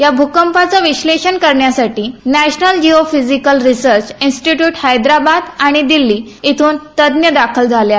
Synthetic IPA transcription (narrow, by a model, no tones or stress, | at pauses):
jabʱukəmpat͡saʋiɕleɕənkəɾɳjasaʈiːnæɕnəld͡ʑiofid͡zikəlɾisəɾt͡ɕinsʈiʈjuːʈhajd̪ɾabad̪aɽ̃id̪ilːiː | it̪ʰuːnt̪əd̪njəd̪akʰəld͡zʱalja